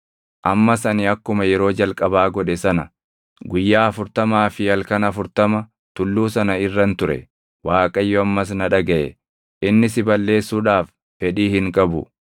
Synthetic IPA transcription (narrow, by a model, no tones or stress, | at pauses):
ʔɐmːɐsɐnɪɐkːʊmɐjɛɾo̞ːd͡ʒɐlkʼɐbaːɡɔᶑɛsɐnɐ | ɡʊjːaːɐfʊɾt̪ɐmaːfɪjɐlkɐnɐfʊɾt̪ɐmɐ | t̪ʊlːuːsɐnɐɪrːɐnt̪ʊɾɛ̰ | waːkʼɐjːɔɐmːɐs̬nɐᶑɐɡɐʔɛ | ʔɪnːɪsɪbɐlːe̞ːsːuːᶑaːf | fɛᶑiːhɪŋkʼɐbʊ̰